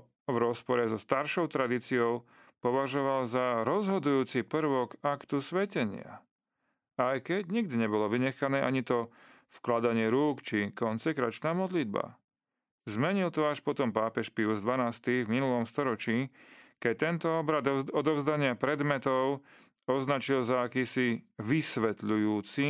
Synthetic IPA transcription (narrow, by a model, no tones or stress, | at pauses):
vɾɔspɔɾɛzɔst̪aɾʃɔʊt̪ɾad̪it͡siɔʊ | pɔʋaʒɔʋalzaɾɔzɦɔd̪ujuːt͡sipr̩ʋɔkakt̪usʋɛcɛɲɪa̰ | ajkɛɟɲiɡ̚d̪iɲɛbɔlɔʋiɲɛxanɛːʔaɲit̪ɔ | fklad̪aɲɪɛɾuːkt͡ʃikɔnt͡sɛkɾat͡ʃnaːmɔd̪lid̪̚ba̰ | zmɛɲilt̪ɔaʃpɔt̪ɔmpaːpɛʃpiuzd̪ʋanaːst̪ivminulɔmst̪ɔɾɔt͡ʃiːkɛc̚t̪ɛnt̪ɔɔbɾad̪ɔd̪ɔʊzd̪aɲɪapɾɛd̪mɛt̪ɔʊ | ɔznat͡ʃilzaːkiːsiʋisʋɛt̪ʎujuːt͡si